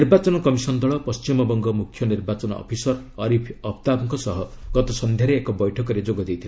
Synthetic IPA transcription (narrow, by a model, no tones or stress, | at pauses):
iɾbat͡ʃɔnɔkɔmisɔnd̪ɔɭɔpɔst͡ʃimɔbɔŋɡɔmukʰjɔniɾbat͡ʃɔnɔɔ̰pʰisɔɾ | ɔɾipʰɔpʰt̪abɔŋkɔsɔɦɔɡ̥ɔt̪ɔsɔnd̪ʱjaɾeːkɔbɔjʈʰɔkɔɾed͡ʒoɡɔd̪ejt̪ʰil